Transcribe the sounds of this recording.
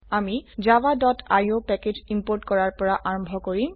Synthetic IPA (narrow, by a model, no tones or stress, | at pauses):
amizawadɔtʰajopɛked͡ʑimpoɹtkɔɹaɹpɔɹaʔaɹɔmbʱɔkoɹim